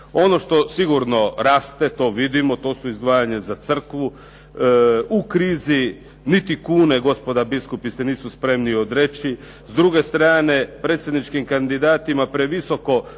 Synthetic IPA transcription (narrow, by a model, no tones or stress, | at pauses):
o̞no̞ʃt̪o̞siɡuɾno̞ɾaːst̪e̞t̪o̞ːʋid̪imo̞t̪o̞ːsuizd̪ʋaːjaɲezat̪sr̩kʋu | ukɾiːzi | nit̪ikuːne̞ɡo̞spo̞d̪abiskupiseniːsuspɾe̞mniod̪ɾe̞t͡ɕi | zd̪ɾuɡe̞st̪ɾaːne̞pɾe̞ːt̪sjed̪nit͡ʃkimkand̪id̪aːt̪imapɾeʋiso̞ko̞